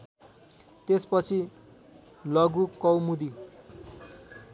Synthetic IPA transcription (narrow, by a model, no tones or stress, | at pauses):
t̪espʌt͡sʰi | lʌɡukʌwmud̪i